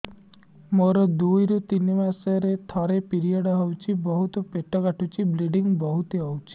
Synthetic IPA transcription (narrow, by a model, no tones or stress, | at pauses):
moɾɔd̪ujɾut̪inimasəɾet̪ʰaɾepiɾijaɽaɦɔwt͡ʃʰibɔɦut̪ɔpeʈɔɡaʈʰut͡ʃʰibleɖiŋbɔɦut̪eɔwt͡ʃʰi̥